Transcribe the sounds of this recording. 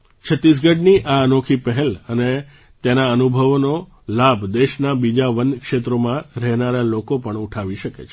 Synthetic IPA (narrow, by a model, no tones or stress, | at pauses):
t͡ʃʰət̪ːis̬ɡəɖniʔaənokʰipəɦeləne | t̪enaənubʱəʋno | labʱd̪eʃnabid͡ʒaʋənkʃet̪ɾomãɾɛɦnaɾalokopəɳuʈʰaʋiʃəkḛt͡ʃʰ